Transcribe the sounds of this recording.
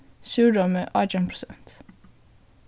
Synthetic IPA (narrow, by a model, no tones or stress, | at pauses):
sʉːɖɔməʔɑd͡ʒəmpʰɾʊ̥sɛnt̪